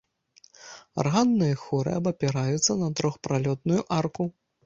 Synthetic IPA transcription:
a̰rɣanːɨjɐxuɾɨ̰ɐbɐpʲɛɾajut̪sːɐnɐt̪ɾɔxpɾalʲɔt̪nujuʔarku

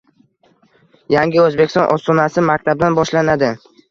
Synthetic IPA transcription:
jaŋɡʲɪɵzbekʲɪst̪ɒ̰̃nʔɒst̪ɒnasɪmakʲt̪ʰab̚d̪anbɒʃlanad̪ɪ

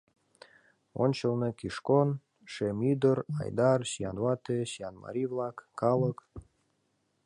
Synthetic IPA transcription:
o̰nʲt͡ɕə̆lˠnekiʃkon | ʃemyd̪ərɑ̰jd̪ɑrɕjɑ̰nwɑt̪eɕjɑnmɑ̰ɾʲivlˠɑkːɑlək

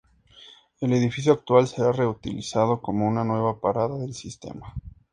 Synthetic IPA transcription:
e̞le̞ðifis̬joak̚t̪walse̞ɾare̞ut̪ḭlḭsað̞o̞ko̞mo̞unanwe̞βapaɾaðaðe̞lsist̪e̞̰ma

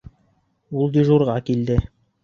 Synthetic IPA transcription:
ulˠd̪ʲiʒuɾʁɑkild̪ɘ

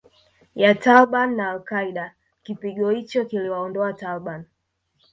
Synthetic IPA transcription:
jatalɓanːaːlkaiɗa | kipiɠɔhit͡ʃɔkiliwaɔndɔatalɓan

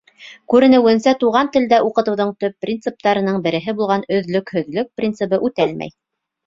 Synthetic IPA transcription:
kʉɾɘ̆nɘ̆wɘ̆nsæt̪uʁɑnt̪ɘ̆ld̪æʔuqɤ̆t̪ɤ̆wðɤɴt̪ɵpːrʲint̪sɨp̚t̪ɑɾɤ̆nɤɴbɘ̆ɾɘ̆ɦɘbulˠʁɑnɵ̆ðlɵkhɵ̆ðlɵk̚prʲint̪sɨbɤʔʉt̪ælmæ̰j

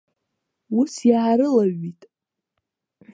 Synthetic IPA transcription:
usjaʕaɾɨlaɥitʼ

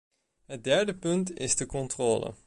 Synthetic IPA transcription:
ɦət̚dɛɹdəpɵntɪzdəkɔntroːlə̰

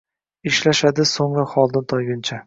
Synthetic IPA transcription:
ɪʃlaʃad̪ɪsoŋɾaχɒlˠd̪ɪnt̪ʰɒjɡʲɪnt͡ʃʰa

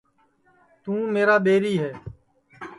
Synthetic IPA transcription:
t̪ũːmeːɾaːɓeːɾiːɦɛː

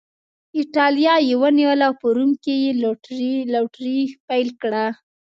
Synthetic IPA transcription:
ɪʈɑljɑjewəniwəlawpəɾumkejellaʈɾipajlkɽa

